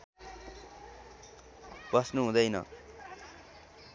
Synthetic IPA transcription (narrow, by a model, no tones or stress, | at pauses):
b̥ʌsnuɦũd̪ʌjnʌ̰